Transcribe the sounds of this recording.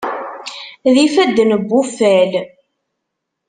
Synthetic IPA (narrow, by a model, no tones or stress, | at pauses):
ðifæd̪ːnəbːufæl